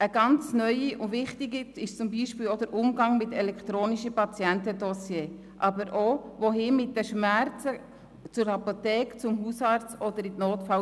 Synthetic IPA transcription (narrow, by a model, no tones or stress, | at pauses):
əɡɑnt͡snœʏiʔʊʋɪχtiɡiɪʃt͡sʊmbiːʃpɪːlod̥̪əɾʔʊmɡɑŋmɪtɛlɛkχt̪ɾoːniʃəpɑt͡sjɛntəd̪ɔsjeː | ʔɑbəɾʔoʋoɦɪmɪt̚dəʃmæɾt͡sə | t͡sʊɾhɑpot̪ɛːkt͡sʊmɦusɑɾt͡stɔd̪əɾitnoːt̪fɑ